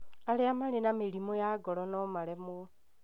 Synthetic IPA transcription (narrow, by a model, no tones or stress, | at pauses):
aleamalenameɾimojaɡɔlɔnɔmalɛmo